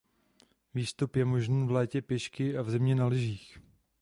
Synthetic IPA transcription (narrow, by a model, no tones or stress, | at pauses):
viːst̪upjɛmo̞ʒniːvlɛːcɛpjɛʃkɪʔavzɛmɲɛnalɪʒiːx